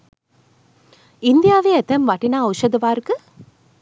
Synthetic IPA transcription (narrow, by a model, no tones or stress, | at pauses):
ɪnd̪ɪjaːʋeːɛt̪ɐmʋɐʈːinaːɐʊʃɐd̪ɯʋaːɾkɯ